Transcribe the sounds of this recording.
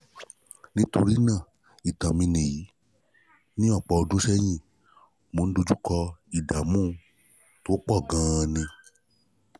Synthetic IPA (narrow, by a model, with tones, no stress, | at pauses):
nĩ˦to˧ɾi˦nã˦˨ | i˨tã˨mĩ˧nĩ˨ji˨˦ | nĩ˦ɔ˦˨k͡pɔ˧o˧dũ˦ʃɛ˦j̃ĩ˦˨ | mo˧n̩˦do˧d͡ʒu˦kɔ˧i˨da˨mũː˦˧ | to˨˦k͡pɔ˦˨ɡã˨˦˧nĩ˧